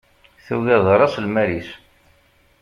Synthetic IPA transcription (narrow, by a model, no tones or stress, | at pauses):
θuɣæðˤɾˤɑslmæɾis